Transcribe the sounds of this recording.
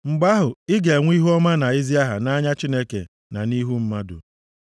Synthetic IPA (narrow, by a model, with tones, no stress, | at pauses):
ŋ͡m̩˨ɡ͡ba˦ɦʊ˨ɪ˦ɡe˨ŋʷi˦ɦu˦ɔ˦ma˦na˨i˦zi˦a˦ɦa̰˨na˦ɲa˦t͡ʃi˦ne˦kḛ˨ | na̰˨ni˦ɦu˦m̩˦ma˦dʊ̰˨